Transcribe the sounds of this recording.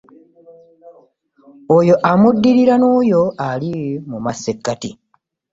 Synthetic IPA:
ojo̞ʔamudːiɾiɾanoːjo̞alimumasːekːati

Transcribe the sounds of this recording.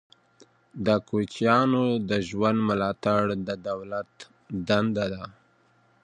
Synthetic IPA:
d̪əkot͡ʃjɑnod̪əʒwand̪mʊlɑt̪aɽd̪əd̪awlat̪ | d̪and̪ad̪a

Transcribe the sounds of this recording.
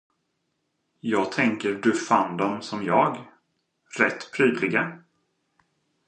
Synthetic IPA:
jɑːɡ̚t̪ʰɛŋkəɾɖ̪ɵfand̪ɔmsɔmjɑːɡ | ɾɛt̪ːpʰɾyːd̪lɪɡa

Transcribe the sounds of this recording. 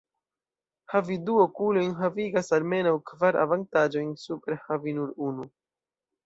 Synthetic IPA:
haviduokulo̞jnɦaviɡasalme̞nawkvaɾʔa̰vantad͡ʒo̞jnsupeɾehavinuɾunu

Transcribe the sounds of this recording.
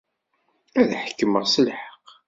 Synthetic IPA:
æðħəkːəməʁsəlħə̥q

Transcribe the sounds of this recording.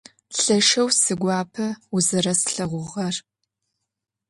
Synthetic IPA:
ɬɐʃɐwsɨɡʷɑːpʰɐuzɐrɐsɬɐʁʷʊʁɐr

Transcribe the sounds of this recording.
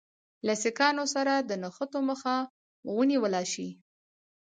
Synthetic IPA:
lasɪkɑnosaɾad̪ənaxət̪oməxa | wəniwəlɑʃi

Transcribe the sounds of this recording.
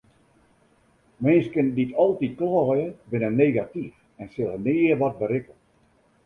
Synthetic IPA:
mɪnskənditɔlˠtit̚klɔːjəbɪnəneːɡatif | ɛnsɪlˠənɪːərʋɔt̚bəɾɪkə

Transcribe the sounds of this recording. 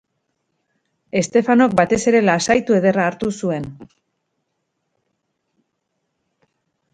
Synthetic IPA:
e̞st̪e̞fano̞k̚bat̪e̞se̞ɾe̞lasajt̪ue̞ðe̞raːɾt̪usue̞n

